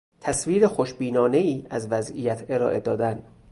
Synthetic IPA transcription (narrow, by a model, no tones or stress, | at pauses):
t̪ʰæsviːɾexoʃbiːnɒːne̞iːʔæzvæzijæt̪ʰe̞ɾɒːʔe̞d̪ɒːd̪æn